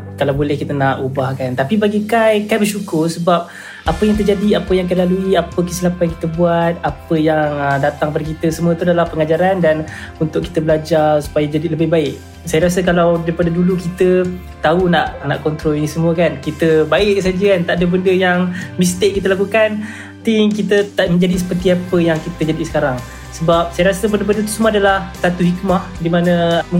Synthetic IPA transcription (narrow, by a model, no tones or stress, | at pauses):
kalawbolɛhkit̪ənaʔubahkant̪apibaɡikajkajbərʃukʊrsəbap̚ | ʔapəjaŋt̪ərd͡ʒadiapəjaŋk̬ajlaluiapəkijsəlapajaki̥t̪əbuat̪̚apəjaŋədat̪aŋpadakit̪əsəmuət̪udalahpəŋad͡ʒaɾandanunt̪ʊʔki̥t̪əbəlad͡ʒarsu̥pajad͡ʒadiləbɪhbaɪʔ̚ | sajaɾas̬əkalawdaipadadulukit̪ə | t̪aunaʔna̰ʔkɔnt̪ɾɔlinisəmuəkankit̪əbaɪʔsad͡ʒəkant̪aʔadəbəndəjaŋmist̪ɪʔ̚kit̪̬əlakukan | t̪ɪŋkit̪ət̪aʔmə̃ɲd͡ʒadis̬ə̥pərt̪iapəjaŋkit̪əd͡ʒadisə̥kaɾaŋ | səbap̚sajaɾasəbəndəbəndət̪u̥səmuaadalahsat̪uɦikmahdimanəmə